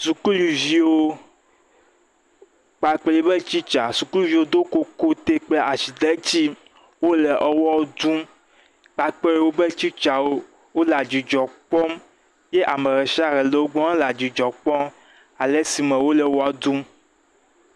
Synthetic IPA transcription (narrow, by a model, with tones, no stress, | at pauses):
su˨ku˦lu˨vi˦wo˦ | k͡pa˨k͡pe˦li˦be˦t͡ɕi˦t͡ʃa˨su˨klu˦vi˨wo˦d̪o˦ko˦ko˦t̪e˦k͡ple˦ʔa˨ʃi˨d̪e˦t͡ɕi˦ | wo˦le˨ʔɛ˨wɔ˦d̪ũ˦m | k͡pa˨k͡pe˦ɾe˦wo˦be˦t͡ʃi˦t͡ʃa˨wo˦ | wo˦la˨d͡ʒi˨d͡ʒɔ˨k͡pɔ˦m | je˦ʔa˨mẽ˨ɣɛ˨ʃi˦a˦ɣɛ˨le˨wo˦ɡ͡bɔ̃˦a˦la˨d͡ʒi˨d͡ʒɔ˨k͡pɔ˦m | a˨le˦si˨mɛ̃˨wo˦le˨wɔ˦a˨d̪ũ˦m